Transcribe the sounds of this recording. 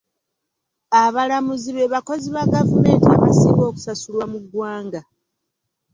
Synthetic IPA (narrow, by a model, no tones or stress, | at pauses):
aβalamuziβe̞ːβako̞ziβaɡavume̞ːntiaβa̰siːβo̞ːku̥sasulwamuɡwaːŋɡa